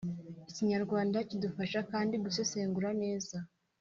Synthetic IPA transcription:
iciɲaɾɡwaːndacidufaʃakaːndiɡusese̞ːŋɡuɾane̞ːza

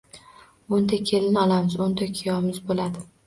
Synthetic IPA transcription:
ʊnd̪akʲʰe̞lɪnɒlˠamɪzʊnd̪akʲʰɪjɒmɪzbolad̪ɪ

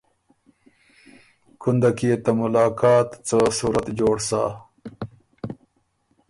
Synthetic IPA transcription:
kʰund̪akiet̪amʊlɑːkɑːt̪t͡səsuːɾat̪d͡ʑoːɽsa̰ː

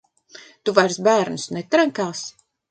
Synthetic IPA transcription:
t̪uvajɾsbæːɾnusnɛt̪ɾaŋkaːs

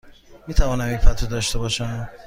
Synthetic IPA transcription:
miːt̪ʰævɒːnæmifæt̪ʰod̪ɒːʃt̪ebɒːʃæm

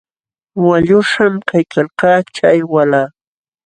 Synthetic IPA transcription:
waʎʊʂamkʰajkʰalqɑːt͡ʃajwalaː

